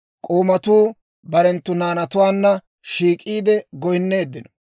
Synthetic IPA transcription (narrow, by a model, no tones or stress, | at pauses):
kʼoːmɐt̪uː | bɐɾɛnt̪ːʊnaːnɐt̪ʊwaːnːɐ | ʃiːkʼiːd̪ɛɡɔjɪnːe̞ːd̪ːɪnɔ